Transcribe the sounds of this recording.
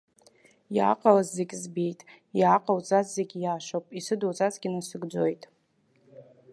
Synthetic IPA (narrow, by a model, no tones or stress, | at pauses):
ja̰ːqʼalazːekʲzbejtʼ | jaːqʼawt͡sʼazzeɡʲjaːʃʷopʼisɨdowt͡sʼat͡sɡʲɪnasɨɡd͡ʒo̞jtʼ